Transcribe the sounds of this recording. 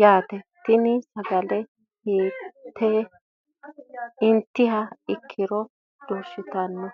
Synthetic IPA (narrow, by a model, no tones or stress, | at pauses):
jaːt̪ɛt̪ɪnɪsɐɡɐlɛ | heːt̪ʰːɛ | ɪnt̪ːɪhɐɪkʰːɪɾɔ | d̪̥oːʃːɪt̪ɐnːɔ